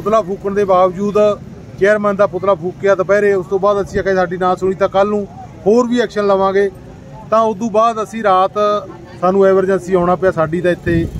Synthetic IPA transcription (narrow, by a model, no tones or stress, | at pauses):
pʊt̪laːpʰuːkəɳd̪eːbaːʋd͡ʒuːd̪ | t͡ʃɛːɾmɛ̃ːnd̪aːpʊt̪laːpʰuːkːeaːt̪ãːpɛːɾeːʊst̪õːbaːd̪əsĩːkẽːsaːɖiːnãːsʊɳ̃iːt̪ãːkəlnũː | hoːɾʋiːɛːkʃənləʋãːɡeː | t̪ãːʊd̪ũːbaːd̪əsĩːɾaːt̪ | saːnũːɛːbəɾd͡ʒə̃nsiːaːʊɽaːpjaːsaːɖiːt̪ãːɪt̪ʰːeː